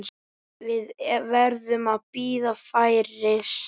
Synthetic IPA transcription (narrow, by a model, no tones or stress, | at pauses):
vɪðvɛɾðʏmaðpiːðafaːjɾɪs